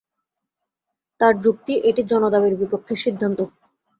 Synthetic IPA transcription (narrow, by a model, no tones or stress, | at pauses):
t̪aɾd͡ʑuk̚t̪iʔeʈid͡ʑɔnod̪abeɾbipokʰːeʃid̪ʱːant̪o